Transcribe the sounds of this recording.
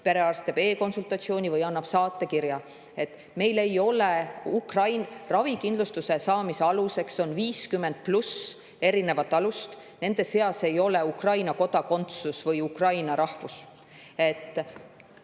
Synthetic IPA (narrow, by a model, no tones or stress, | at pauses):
pe̞ɾe̞ɑrst̪ebe̞ːko̞nsult̪ːˑɑt̪sio̞ːnʲivɯjɑnːɑb̥sɑːt̪ːˑe̞kiɾjɑ | e̞t̪ːˑ | me̞jle̞jo̞le̞ukrɑjnrɑvikind̪lust̪use̞sɑːmise̞ɑluse̞kso̞nviːskymːe̞nd̪̥̚plus | e̞ɾine̞vɑt̪ːˑɑlust̪ | ne̞nd̪̥e̞se̞ɑse̞jo̞le̞ukrɑjnɑko̞d̪̥ɑko̞nt̪susvɯjukrɑjnɑɾʔɑhvus | e̞t̪ːˑ